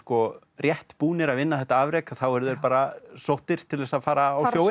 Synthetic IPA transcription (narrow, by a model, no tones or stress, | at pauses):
kɔ | rjɛht̪puːnɪɾaðvɪnːaθɛht̪aaːvɾeːjkaθawɛɾðɛɾpaːɾasowht̪ɪɾ̥t̪ʰɪlðɛːsaðfaːɾaːjoːw